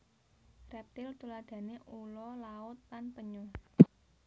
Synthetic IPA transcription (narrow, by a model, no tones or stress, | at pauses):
rɛp̚t̪ɪlt̪ulad̪̥ä̤neʔulɔlaʊt̪̚lanpəɲʊ